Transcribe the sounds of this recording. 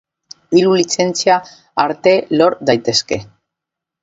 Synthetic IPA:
ilulit͡se̞nt͡sia | aɾt̪e̞loɾd̪ajt̪e̞ske̞

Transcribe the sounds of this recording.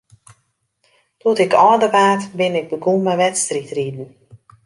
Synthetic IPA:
tɔtɪkʰɔːdəpaːtbɪnɪɡ̚dəɡumaʋɛtstritridn̩

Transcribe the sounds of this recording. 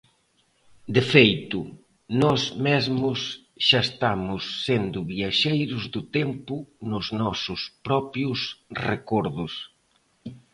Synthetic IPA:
d̪ɪfejt̪ʊ | nɔzmezmʊs | ʃaest̪amʊsːend̪ʊβiaʃejɾʊzðʊt̪empʊnʊznɔsʊspɾɔpjʊsrekɔɾðʊs

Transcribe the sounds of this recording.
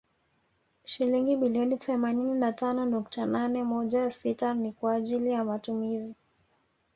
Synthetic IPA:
ʃiliŋɡiɓiliɔniθɛmanininatanɔnuk̚tananɛmɔʄajsitanikwaːʄilijamatumizi

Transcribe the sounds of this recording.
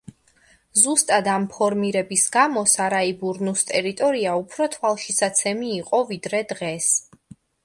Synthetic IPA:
zust̪ʼad̪ampʰɔɾmiɾɛbisɡamɔsaɾaibuɾnust̪ʼɛɾit̪ʼɔɾiaupʰɾɔt̪ʰwalˠʃisat̪sʰɛmiːqʼɔvid̪ɾɛd̪ʁɛs

